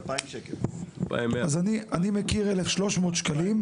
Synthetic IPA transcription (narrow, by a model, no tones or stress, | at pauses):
paimʃekelpa̰mazaniʔanimekiʁelefʃlo̞ʃmo̞ːt̪ʃkalim